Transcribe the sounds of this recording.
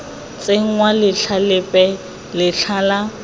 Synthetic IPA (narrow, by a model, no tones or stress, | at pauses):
t͡sʼeŋ̩ŋwalɪɬʰalɪpʼɛ | lɪɬʰaːla